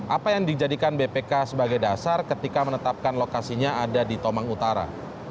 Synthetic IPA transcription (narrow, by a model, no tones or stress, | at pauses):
ʔapajaŋdid͡ʒadikanbepekasəbaɡajdasarkət̪ikamənət̪ap̚kanlokasiɲaadadit̪omaŋut̪aɾa̰